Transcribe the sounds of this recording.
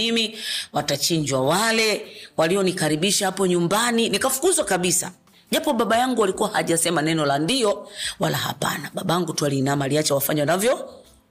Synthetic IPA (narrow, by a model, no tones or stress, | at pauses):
imiwatat͡ʃiɲd͡ʒwawalɛwaliɔnikaɾiɓiʃahapɔɲumbaninikafu̥kuzwakaɓisa̰ | ʄapɔɓaɓajaŋɡualikuwahaʄasɛmanɛnɔlandiɔwalaha̰pa̰naɓaɓaaŋɡutwalinamaliat͡ʃawafaɲanavjɔ